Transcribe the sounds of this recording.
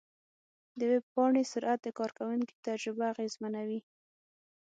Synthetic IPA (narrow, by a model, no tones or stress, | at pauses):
d̪əwebpɑɳesʊɾʔat̪̚d̪əkɑɾkawuŋki̥t̪ad͡ʒɾɪbaːɣezmanawi